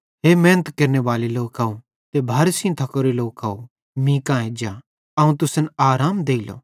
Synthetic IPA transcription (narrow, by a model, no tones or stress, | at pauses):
ɦeːmɛ̃ːnət̪kɐɾneʋaːliloːkaũ | t̪ebʱaːɾsĩt̪ʰɐkoːɾeloːkao | mĩkãːẽd͡ʒa | ɐũt̪ʊsənaːɾaːmd̪eːilo̰ː